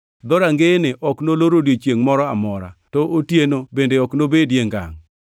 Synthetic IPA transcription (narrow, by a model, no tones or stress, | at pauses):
d̪ɔɾaŋɡenɪʔɔknoloɾodet͡ʃjeŋmɔɾɔamɔɾa̰tɔʔotjenobendeɔknobedjeŋɡa̰ŋ